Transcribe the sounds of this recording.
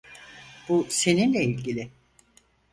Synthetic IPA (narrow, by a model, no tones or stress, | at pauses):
buse̞ninlʲeilʲɟilʲɪ